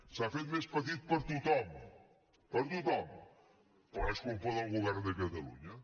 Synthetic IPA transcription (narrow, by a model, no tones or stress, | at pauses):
safet̪meʃpɐt̪iðupɐɾt̪ut̪ɔmu | pɐɾt̪ut̪ɔmu | poaʃkompoðãluɣaɾðɐkɐt̪ɐlˠṵɲɐ